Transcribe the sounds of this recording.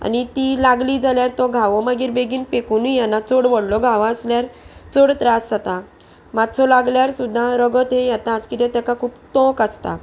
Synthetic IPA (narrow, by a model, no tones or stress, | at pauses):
a̰nit̪ilaɡliːd͡zaljaɾt̪ɔɡʱaʋɔməɡiːɾbeɡiːnpekunijanːat͡soɽʋəɽlɔɡʱaʋaəsljaɾt͡soɽt̪ɾasat̪a | mat̪t͡sʰɔlaɡljaɾsud̪ʱːaɾəɡət̪ɦejɛt̪at͡skit̪jãt̪jakakʰuːpt̪ɔ̃kast̪a̰